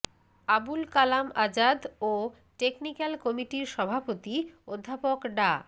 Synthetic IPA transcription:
abulkalamad͡ʑad̪o | ʈeknikalkɔmiʈiɾʃɔbʱapot̪iod̪ʱːapokɖa

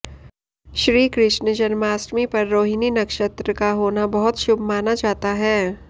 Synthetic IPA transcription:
ʃɾiːkɾɪʃnəd͡ʒənmaːsʈmipɐɾːoːɦɪninɐkʃət̪ɾəkaɦoːnabɐɦʊt̪ʃʊbʱmaːnad͡ʒaːt̪aɦɛː

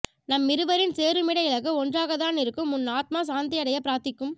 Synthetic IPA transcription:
nɐmːɪɾɯʋɐɾɪnseːɾɯmɪɽɐɪɭɐɣɯɔndraːɣɐt̪aːnɪɾɯkːɯmːʊnːaːt̪̚maːsaːnd̪ɪɐɽɐjɐpɪɾaːɾt̪ɪkːɯm

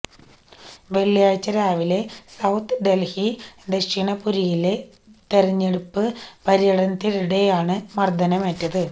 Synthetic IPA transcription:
ʋe̞ɭːijaːjt͡ɕːɐɾaːʋile̞sɐwt̪ʰɨɖe̞lhiɖeʂiɳɐpuɾijile̞ | t̪erɐɲːe̞ɽupːɨpɐɾijɐɽɐnt̪iðiɽe̞jaːɳɨmɐrd̪ʱɐnɐmetːɐðɨ

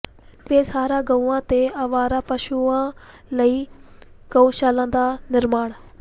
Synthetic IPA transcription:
peːsaːɾaːɡəuãːt̪eːəʋaːɾaːpəʃuãː | ləiː | ɡəũʃaːlãːd̪aːnɪɾmaːɳ

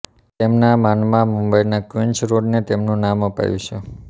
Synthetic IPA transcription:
t̪emnamanmãmumbəjnakʋiɲt͡ʃɾoɖnet̪emnũnaməpa̰jũt͡ʃʰe

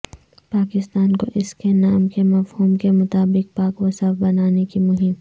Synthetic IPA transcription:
paːkɪst̪aːnkoʔɪskenaːmkemɐfhuːmkemʊt̪aːbɪk̚paːkwɐsafbɐnaːnekimʊɦɪm

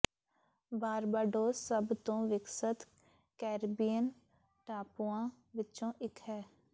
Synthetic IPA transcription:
baːɾbaːɖoːəbt̪õːʋɪksət̪ | kɛːɾbijən | ʈaːpuãː | ʋɪt͡ʃõːʔɪkɦɛː

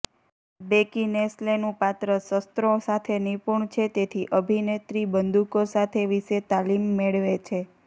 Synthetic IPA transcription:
bekineslenũpat̪ɾəsəst̪ɾosat̪ʰenipuɳt͡ʃʰet̪et̪ʰiʔəbʱinet̪ɾibənd̪ukosat̪ʰeʋiʃet̪alimːeɭʋet͡ʃʰe

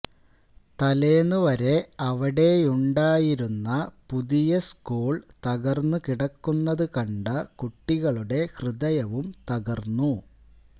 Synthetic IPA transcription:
t̪ɐleːnːuʋɐɾe̞ɐʋɐɽe̞uɳɖaːjiɾunːɐpuðijɐskuːɭt̪ɐɣɐrnːukiɽɐkːunːɐðɨkɐɳɖɐkuʈːiɣɐɭuɽe̞hrɨðɐjɐʋumt̪ɐɣɐrnːu

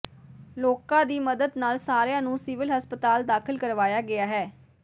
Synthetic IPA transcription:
loːkãːd̪iːməd̪əd̪naːlsaːɾjãːnũːsɪʋɪlɦəspət̪aːld̪aːkʰɪlkəɾʋaːjaːɡɪaːɦɛː

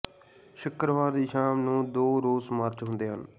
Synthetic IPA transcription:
ʃʊkɾʋaːɾd̪iːʃaːmnũːd̪oːɾoːzməɾt͡ʃɦʊ̃nd̪eːɦən

